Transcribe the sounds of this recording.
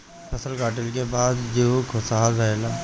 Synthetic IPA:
pʰɐsəlkaːʈəlkebaːd̪d͡ʒokʰosaɦaɾɐela

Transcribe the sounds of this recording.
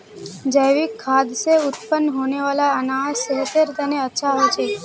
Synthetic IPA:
d͡ʒəjʋikʰːad̪seʊt̪pənːɦoneʋalaənasəɦt̪ʰeɾt̪əneətːʃʰaɦoet͡ʃʰe

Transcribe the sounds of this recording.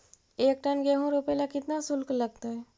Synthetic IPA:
eːk̚ʈənɡɛɦõɾopelakɪt̪nasʊlklɐɡ̚t̪aɦɛ

